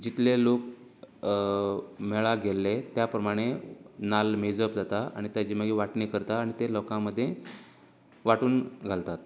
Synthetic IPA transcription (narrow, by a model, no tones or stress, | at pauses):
d͡ʑit̪lelok | meɭaɡʱelːet̪japɾəmaɽ̃enalmid͡zəpd͡zat̪aa̰ɽ̃it̪jat͡ɕiːməɡiʋaʈniːkəɾt̪aːɽ̃it̪elɔkãməd̪ʱːje | ʋaʈuːnɡʱalt̪at̪̚